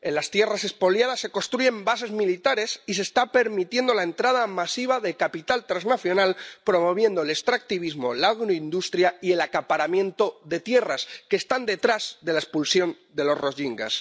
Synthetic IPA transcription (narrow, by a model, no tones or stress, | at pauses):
e̞nlast̪je̞rase̞spo̞ljaðasːe̞ko̞st̪ɾuʝe̞mbase̞zmilit̪aɾe̞sise̞st̪ape̞ɾmit̪je̞nd̪o̞laent̪ɾaðamasiβaðekapit̪alt̪ɾaznaθjo̞nalpɾo̞mo̞β̞je̞nd̪olest̪ɾak̚t̪iβizmo̞laɣɾoind̪ust̪ɾjaie̞lakapaɾamjẽ̞nt̪o̞ðe̞t̪je̞raskeːst̪and̪e̞t̪ɾazðe̞laespulsjo̞n | d̪e̞lo̞sro̞ʝiŋɡa̰s